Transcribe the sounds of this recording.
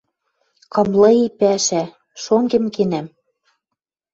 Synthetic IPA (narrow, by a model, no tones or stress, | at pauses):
kɤ̆mlɤ̆ipæʃæ | ʃoŋɡĕmkenæm